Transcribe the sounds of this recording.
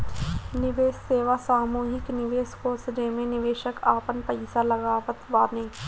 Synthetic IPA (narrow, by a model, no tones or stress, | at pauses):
nɪʋeːsːeːʋasaːmuːɦɪknɪʋeːskoːsd͡ʒeːmẽnɪʋeːʃəkaːpənpɐɪsalɐɡaːʋət̪ʋaːnẽː